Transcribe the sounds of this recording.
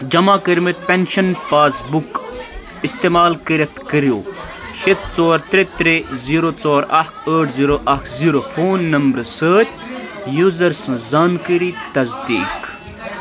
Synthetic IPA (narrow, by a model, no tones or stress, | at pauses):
d͡ʒɐmaːkəɾmit̪̚pʲenʃɐnpaːsbuk | ist̪eːmaːlkəɾɐt̪ʰkəɾijoːʃet̪̚t͡soːɾt̪ɾet̪ɾeziːɾot͡soːɾɐkʰəːʈʰziːɾoʔɐkʰziːɾofoːnːɐmbɾsəːt̪ʲ | juːzɐɾsɐ̃zaːnkəɾit̪ɐzd̪ḭːk